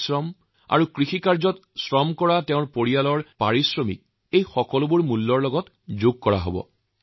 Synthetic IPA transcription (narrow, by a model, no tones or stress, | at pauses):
sɹɔm | a̰ɹukɹixikaɹzɔtsɹɔmkɔɹateʊ̃ɹpoɹijalɔɹpaɹisɹɔmḭk̚ | ejxɔkɔlʊbuɹmulːɔɹlɔɡɔt | zuɡ̚kɔɹa̰ɦo̰bɔ̰